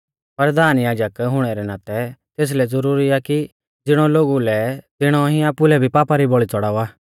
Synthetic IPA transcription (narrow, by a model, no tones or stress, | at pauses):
pɐɾd̪aːnjaːd͡ʒəkɦʊɽ̃ɛɾɛnãːt̪ɛt̪eːs̬lɛd͡zɐɾuːɾiaki | d͡zɪɽ̃ɔloːɡulɛt̪ɪɽ̃ɔɦĩaːpulɛbʱipaːpaɾibɔɭit͡sɔɽaːuaː